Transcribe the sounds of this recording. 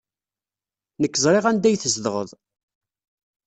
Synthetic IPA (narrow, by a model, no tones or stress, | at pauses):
nəkːəzˤɾˤeʁænd̪æjθəzd̪əʁə̰ðˤ